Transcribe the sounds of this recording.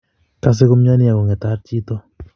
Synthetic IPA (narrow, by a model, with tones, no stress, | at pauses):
ka˨s̬e˦kʊ˦mɲa˦nɪ˦a˨kɔ˨ŋɛ˨t̪a˦ɾt͡ʃi˦t̪ɔ˦